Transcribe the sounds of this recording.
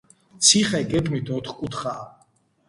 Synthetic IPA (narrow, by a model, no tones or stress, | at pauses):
t̪sʰiχɛɡɛɡʼmit̪ʰɔt̪ʰχkʼut̪χaː